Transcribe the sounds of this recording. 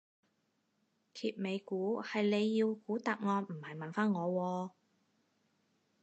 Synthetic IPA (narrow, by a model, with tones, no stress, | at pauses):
kʰiː˨p̚me˨˧jkuː˨˥hɐ˨jle˨˧jːiː˧wkuː˨˥t̪aː˨p̚ŋɔː˧nm̩˨˩hɐ˨˩jmɐ˨nfaː˥nŋɔː˨˧wɔː˧